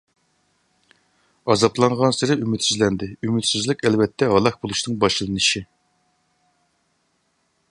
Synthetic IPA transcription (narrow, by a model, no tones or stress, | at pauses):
ɑzɑplˠɑɴʁɑnsɪɾɪymyt̪syzlɛnd̪ɪymyt̪syzlɪkʲɛlvɛt̪ʰːɛɦɑlˠɑχbolˠuʃnɨŋbɑʃllˠɨnɨʃi